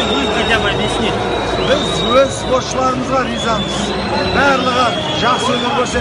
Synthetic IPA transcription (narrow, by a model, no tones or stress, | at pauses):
wojpʰɑjd̪ɑmɑd̪esne | bɪzwɵzspo̞sʃəlˠɑɾəməzʁɑɾizɑnəz | bæːɾlˠəʁə | ʒɑqsɵnɪkʲʰɵɾse